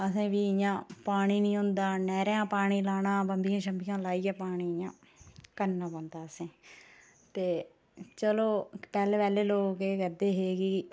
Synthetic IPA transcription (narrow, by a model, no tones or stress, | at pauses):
əsẽːʋiːɪjãːpaːɽ̃iːnĩːɦʊ̃nd̪aːnɛːɾjãːpaːɽ̃iːlaːnãːbəmbijãːʃəmbʱijãːlaːiːãːpaːɽ̃iːɪjãː | kənːãːbə̃ːnd̪aːəsẽː | t̪eː | t͡ʃəloːpɛːlːʋɛːleːloːkeːkəɾd̪eːɦeːɡiː